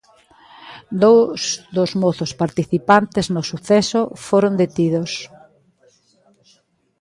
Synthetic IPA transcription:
d̪owsd̪ozmoθʊspaɾt̪iθipant̪eznʊsuθɛsofoɾond̪et̪iðos

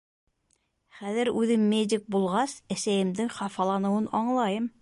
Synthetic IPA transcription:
χæðɘɾʉðɘmːedʲɪk̚bulˠʁɑsæsæjɘ̆md̪ɘŋχɑfɑlˠɑnɤ̆wɤnɑɴlˠɑjɤm

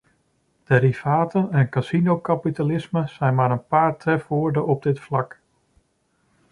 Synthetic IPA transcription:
d̥eːɾivaːtənɛnkasinowkapitalɪsməsɛjnmaːɾənpaːɹtrɛfʋʊːɹdəɔb̚dɪtflɑk

